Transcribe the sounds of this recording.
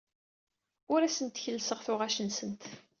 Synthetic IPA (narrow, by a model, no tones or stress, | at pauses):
ʊɾæsənt̪çəlːsəʁθʊʁæʃənsənt̪